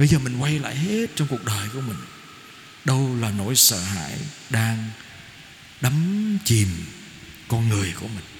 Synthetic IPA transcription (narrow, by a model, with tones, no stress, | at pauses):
ɓə˧jzəː˨˩mi˨˩ŋ̟kwa˧jla̰ː˧˨jhe˦˥t̚t͡ɕɔ˧wŋ͡mku˨˩ək̚ɗəː˨˩jku˧˩əmï˨˩ŋ̟ | ɗə˧wlaː˨˩no̰˧˥jsə̰ː˧˨ha̰ː˧˥˨j | ɗaː˧ŋ | ɗə˨˦mt͡ɕi˨˩m | kɔ˧nŋɨ˨˩əjku˧˩əmï˨˩ŋ̟